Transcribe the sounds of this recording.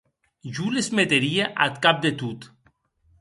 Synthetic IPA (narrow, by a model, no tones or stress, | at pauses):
ʒulezmet̪eɾieʔat̪kap̚d̪et̪ut̪